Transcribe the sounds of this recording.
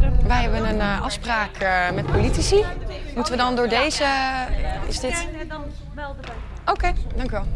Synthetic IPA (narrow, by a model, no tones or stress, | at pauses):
ʋɛjɦɛbənənʔɑfspraːkʰmɛt̚politisimutəʋədɔndʊːɹdejzə | ɪzdɪt | owkejdɑŋkjyʋɛlˠ